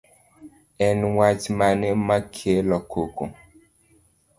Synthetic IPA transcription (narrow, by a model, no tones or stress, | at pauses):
ɛnwat͡ʃmanɛmakʰelɔkʰoko̰